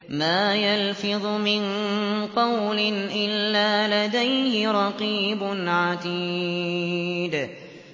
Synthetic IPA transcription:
maːjalfɪðˤʊmɪnqɑwlɪnʔɪlːaːlad̪ajhɪɾˤɑqiːbʊnʕad̪iː | d̪

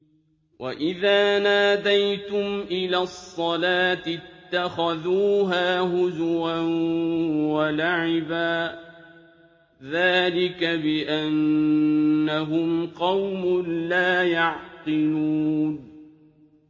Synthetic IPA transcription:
wʔa̰ʔɪðaːnaːd̪ajt̪ʊmʔɪlaːsˤːɑlaːt̪ɪt̪ːaxaðuːɦaːhʊzʊɾan | walaʕɪbaː | ðaːlɪkabɪʔanː | aɦʊmqɑwmʊnlaːjɑʕqɨluːn

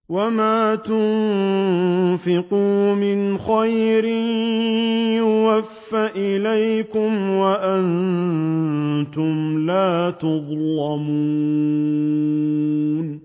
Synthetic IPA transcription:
wamaːt̪ʊn | fɪquːmɪnxajɾɪ | jʊwafːaʔɪlajkʊmwaʔan | t̪ʊmlaːt̪ɑðˤlɑmuː | n

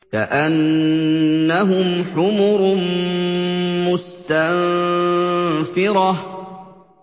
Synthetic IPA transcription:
ka̰ʔanː | aɦʊmħʊmʊɾm | mʊst̪am | fɪɾɑ

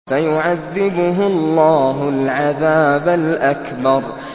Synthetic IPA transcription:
fajʊʕaðːɪbʊɦʊllˤːaːɦʊlʕaðaːbalʔakbɑɾˤ

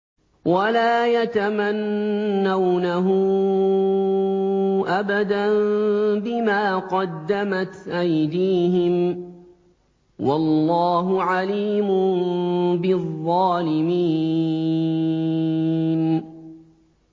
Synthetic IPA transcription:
walaːjat̪amanːawnaɦʊ | ʔabad̪anbɪmaːqɑd̪ːamat̪ʔajd̪iːɦɪm | wɑlːɑːɦʊʕaliːmʊ | bɪðˤːɑːlɪmiː | n

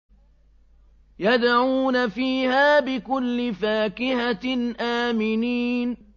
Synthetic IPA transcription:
jad̪ʕuːnafiːhaːbɪkʊlːɪfaːkɪhaʔaːmɪniːn

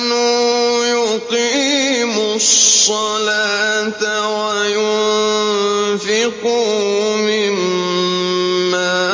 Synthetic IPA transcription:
nʊjʊtiːmʊssˤːɑlaːt̪a | wajʊn | fɪqʊ | mɪm | a

